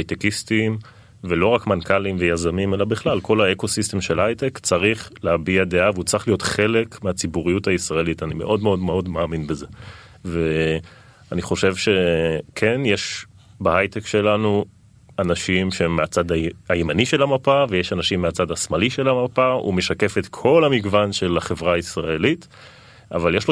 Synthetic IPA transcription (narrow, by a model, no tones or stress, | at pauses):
hajtekistim | velo̞ʁakmankalimvejazamime̞labiχlalko̞laeko̞siste̞mʃelhajtekt͡saʁiχlehabiadeaveut͡sʁiχlijo̞tχe̞le̞kmeat͡sibuʁijuthaisʁaelitanimeʔo̞dmeo̞dme̞o̞dmaːminbeze̞ | ve | aniχo̞ʃe̞vʃe̞kʰenjeʃ | bahajtekʃe̞lanu | anaʃimʃeemːeat͡sadaajemaniʃe̞lamapavejeʃanaʃimːeat͡sadasmaliʃe̞lamapaṵme̞ʃake̞fetkʰo̞lamiɡvanʃe̞laχe̞vʁaːisʁaelit | a̰valjeʃlo